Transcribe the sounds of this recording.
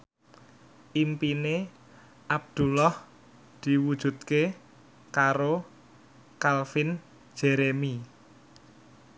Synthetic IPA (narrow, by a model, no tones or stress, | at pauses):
ʔimpine | ʔab̚d̪̥ṳlɔh | d̪̥i̤wud̥ʒ̥ṳt̪̚ke | kaɾo | kalfɪn̥ | d͡ʒ̥eɾemi